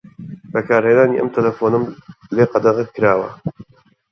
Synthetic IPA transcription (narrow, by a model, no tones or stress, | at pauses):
bɐkʰaːɾheːnaːniːʔɐ̰mt̪ʰɐlɐfoːnɨmleːqɐd̪ɐʁɨkʰːɨɾaːwɐ̰